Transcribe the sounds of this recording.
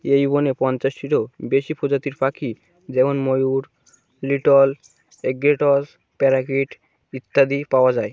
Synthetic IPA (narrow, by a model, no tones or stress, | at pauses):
ejubonepɔnt͡ɕaʃʈiʈobeʃipʰod͡ʑat̪iɾpakʰi | d͡ʑɛbonmojuɾ | liʈol | eɡɾeʈos | pɛɾakiʈ | it̪ːad̪ipaoad͡ʑae